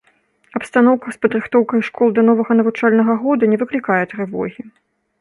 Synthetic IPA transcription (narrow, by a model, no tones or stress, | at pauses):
ɐpst̪anɔwkɐspɐd̪ɾɨxt̪ɔwkɐjʂkɔlˠd̪ɐnɔvɐɣɐnɐvut͡ʂalʲnɐɣɐɣɔd̪unʲɛvɨklʲikajɛt̪ɾɨvɔ̰ɣʲi